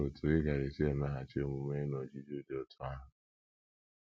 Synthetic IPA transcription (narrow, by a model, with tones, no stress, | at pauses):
o˨tʰʊ˨ɪ˦ɡa˨ɾɪ˨si˦a˨na˦ɦa˨t͡ʃi˦o˦mʊ˦me˦nɔ˨d͡ʒi˦d͡ʒo˦de˨˦ɔ˦tʰʊ˨a˦ɦʊ˨